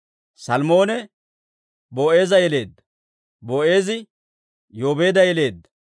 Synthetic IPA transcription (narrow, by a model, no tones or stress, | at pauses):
sɐlmo̞ːnɛ | boːʔeːzɐjɛle̞ːd̪ːɐ̥ | boːʔe̞ːzɪ | joːbeːd̪ɐjɛle̞ːd̪ːɐ̥